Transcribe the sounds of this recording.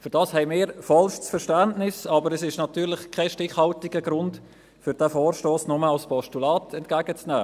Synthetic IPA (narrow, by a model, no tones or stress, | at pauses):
fyɾd̥ɑːshɛɪmɪːɾfɑlʃsfɛɾʃtændnɪsɑːbəɾɛsɪʃnɑtyːɾlɪχkʰɛʃtɪχhɑltɪɡ̥əɡɾʊnt | fʏɾd̥æːfoːɾʃtoːsnʊməɑlspɔʃtulɑːtʰɛntkæːɡət͡snɛː